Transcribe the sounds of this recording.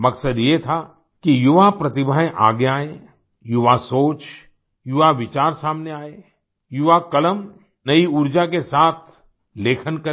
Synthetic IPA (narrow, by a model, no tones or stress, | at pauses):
mɐksəd̪jet̪ʰa | kijʊʋapɾɐt̪ɪbʱaẽʔa̰ːɡjaːe | jʊʋasoːt͡ʃ | jʊʋaʋɪt͡ʃaːɾsaːmneaːeː | jʊʋakɐləm | nɐiʊɾd͡ʒakesaːt̪ʰ | leːkʰənkɐ